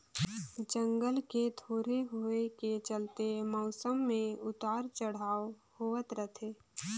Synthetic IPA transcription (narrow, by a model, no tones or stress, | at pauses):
d͡ʒə̃ŋɡəlket̪ʰoːɾeɦoeket͡ʃəlt̪emɔːsəmːẽʊt̪aːɾt͡ʃəɽ̤aːw | hoət̪ɾət̪ʰeː